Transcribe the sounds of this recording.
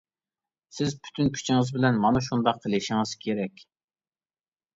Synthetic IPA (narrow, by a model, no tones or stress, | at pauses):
sɪzpʰy̥t̪ʰynkʲʰy̥t͡ʃʰɪŋɨzbɪlɛnmɑnɨʃ̬und̪ɑqʰːəlˠɪʃɪŋɨz̥kʲʰeɾɛkʲ